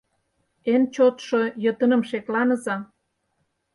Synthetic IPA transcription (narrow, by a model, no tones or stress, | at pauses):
ent͡ɕot̪ʃojət̪ə̆nə̆mʃeklɑnəzɑ